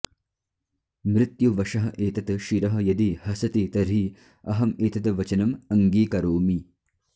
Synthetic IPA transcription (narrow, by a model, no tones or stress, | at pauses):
mɾɪt̪juʋɐʂɐɦɐ̆ʔeːt̪ɐt̪ɐʃiɾɐɦɐ̆jɐd̪ihɐsɐt̪it̪ɐɾiː | ɐɦɐmeːt̪ɐt̪ɐʋɐt͡ʃɐnɐmɐŋɡiːkɐɾoːmi